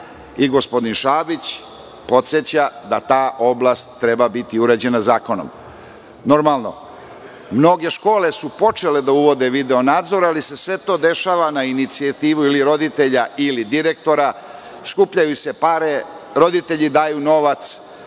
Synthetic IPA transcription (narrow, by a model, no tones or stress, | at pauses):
iɡo̞spo̞d̪inʃaːbit͡ɕ | po̞t̪set͡ɕad̪at̪aːʔo̞blˠast̪ːɾebabit̪iuɾad͡ʑe̞nazaːko̞no̰m | no̞ɾmalˠno̞̰ | mno̞ɡe̞ʃko̞ːle̞supo̞t͡ʃe̞led̪auʋo̞d̪eʋid̪eonaːd̪zo̞ɾaaːlise̞sʋe̞t̪o̞ːd̪e̞ʃaːʋanainit̪siat̪iːʋuiliɾo̞d̪it̪e̞ʎaʔilid̪iɾekt̪o̞ɾa | skupʎajuse̞paɾe | ɾo̞d̪it̪e̞ʎid̪aːjuno̞ʋat̪s